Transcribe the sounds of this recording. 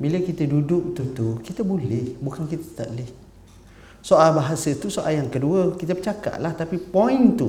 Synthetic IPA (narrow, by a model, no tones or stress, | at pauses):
biləkit̪ədudʊk̚t̪ut̪ukit̪əbolɛhbukankit̪ət̪a̰ʔlɛh | soʔalbaɦasət̪usoʔaljaŋkəduəkit̪əpət͡ʃaka̰ʔlaht̪apipɔint̪u